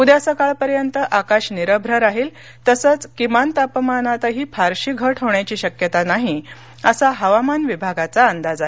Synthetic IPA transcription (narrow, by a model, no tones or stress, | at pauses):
ud̪jasəkaɭpəɾjənt̪əʔakaɕniɾəbʱɾəɾaɦiːl | t̪əsət͡skimant̪apmanat̪əɦiːpʰaɾɕiːɡʱəʈʰɦoɳjat͡ɕiːɕəkjət̪anaɦi | əsaɦəʋamanʋibʱaɡat͡saːnd̪ad͡za